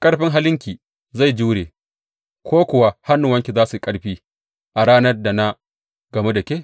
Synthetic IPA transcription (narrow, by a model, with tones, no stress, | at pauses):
kʼɐ˦ɽɸɪ˦ŋɦa˦lɪ˦ŋkʲiː˨ | za˦˨jd͡ʒuː˦ɽeː˨ | kʷoː˦kʷʊ˨wa˨ha˦nːʊ˨wɐ˦ŋkʲi˨zaː˦su˨kʼɐ˦ɽɸiː˦ | ʔa˨ɽaː˦nɐ˦rda˨na˦ | ɡ̥ɐ˨me˦da˨kʲeː˦